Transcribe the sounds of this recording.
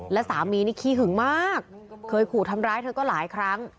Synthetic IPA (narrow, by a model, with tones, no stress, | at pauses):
lɛ˦˥saː˩˦mːiː˧niː˥˩kʰiː˦˥˩ɦɯ˨˩˦ŋmaː˥˩kʰːɤː˧jkʰuː˨˩t̪ʰa˧mɾaː˦˥jt̪ʰɤː˧kɔː˥˩laː˩˦jkʰɾa˦˥ŋ